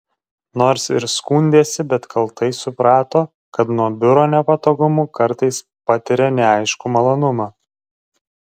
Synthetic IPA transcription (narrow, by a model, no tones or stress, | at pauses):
noːɾsɪɾskuːnʲd̪ʲeːsʲɪbʲɛt̪kʰɐlˠt̪ɐɪsʊpɾɑːt̪oː | kɐt̪nuɔbʲʊɾoːnʲɛpɐt̪oːɡʊmʊːkɐɾt̪ɐɪs | pɐt̪ʲɪɾʲɛnʲɛɑɪʃkʊmɐlˠoːnʊmɑː